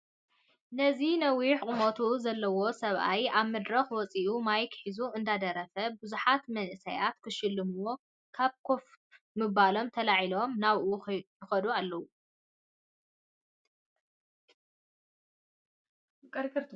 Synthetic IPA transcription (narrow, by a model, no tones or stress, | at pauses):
nɐzinɐwiħkʼɨmot̪ʰuzɐlːɐwo̞sɐβʔa̰jaβmɨd̪ɾɐxwɔt͡sʼiʔumajkʰħizuɨnd̪ad̪ɐɾɐfɐbɨzuħat̪mɐnʔɨsɐjat̪kʰɨʃɨlːɨmuwo̞ | kʰaβkʰo̞f | mɨβalo̞mt̪ʰɐlaʕilo̞mnaβʔujɪxɐd̪ualːɐwu | kʼɐɾkɨɾt̪ʰ